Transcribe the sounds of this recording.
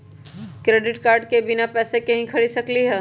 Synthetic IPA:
kɾeːɖɪʈkaːɾɖkebɪnapɛːsekɐɦĩkʰɐɽisɐkliɦɛː

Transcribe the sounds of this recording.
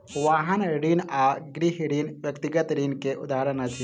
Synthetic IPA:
ʋaɦɐnɽinaɡɾiɦɽinʋjɐkt̪iɡət̪ɾinkeʔud̪aːɾənɐt͡ʃʰi

